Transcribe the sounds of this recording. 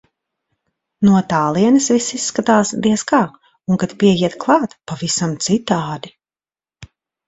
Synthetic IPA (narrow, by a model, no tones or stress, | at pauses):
nuɔt̪aːlˠiɛnɐsvisisːkat̪aːsd̪iɛskaː | uŋkat̪piɛjiɛt̪klˠɑːt̪pavisamt̪sit̪aːd̪i